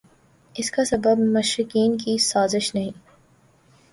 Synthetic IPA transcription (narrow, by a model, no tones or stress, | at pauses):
ɪskasɐbəbmɐʃɾɪkiːnkisaːzɪʃnɐɦĩː